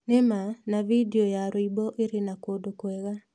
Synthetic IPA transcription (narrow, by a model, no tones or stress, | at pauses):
nemanavideɔjaɾoibɔʔeɾenakodokwɛɣa